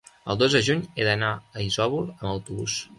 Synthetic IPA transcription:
ə̰lˠd̪ozðəʒuɲedənaəizɔβulˠəmbəwt̪uβus

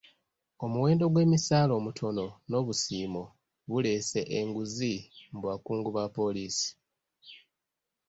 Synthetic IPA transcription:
o̞muwe̞ːndo̞ɡwe̞ːmisaːlo̞ːmutʰo̞no̞no̞ːβusiːmo | βule̞se̞ʔeŋɡuzimbwaːkuːŋɡuβapo̞liːsi̥

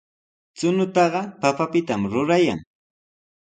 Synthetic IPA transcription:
t͡sʊnʊt̪ɑɢɑpapapɪt̪amɾʊɾaja̰ŋ

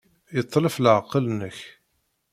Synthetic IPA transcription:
jət̪ˤːləflʕqːəlnəç

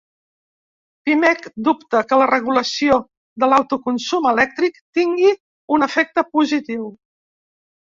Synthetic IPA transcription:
pimɛkd̪upt̪əkələrəɣuləsio | d̪əlawt̪ukunsuməlɛk̚t̪ɾikt̪iŋɡi | unəfɛk̚t̪əpuzit̪iw

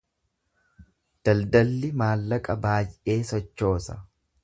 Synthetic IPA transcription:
d̪̥ɐld̪ɐlːɪmaːlːɐkʼɐbaːjʔe̞ːsɔt͡ʃːo̞ːsɐ

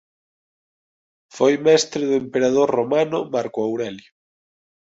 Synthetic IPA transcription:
fojmɛst̪ɾeðʊempeɾaðoɾromanʊmaɾkoawɾɛljo

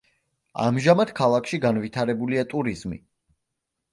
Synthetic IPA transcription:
a̰mʒamad̪̥kʰalˠakʰʃiɡanvit̪ʰaɾɛbuliat̪ʼuɾizmḭ

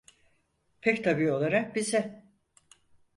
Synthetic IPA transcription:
pʰɛct̪ʰabiːo̞lˠaɾak̚bizɛ

